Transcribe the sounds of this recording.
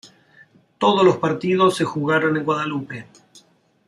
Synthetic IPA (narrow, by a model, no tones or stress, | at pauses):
t̪o̞ð̞oslospaɾt̪iðosːe̞xuɣaɾone̞ŋɡwaðalupe̞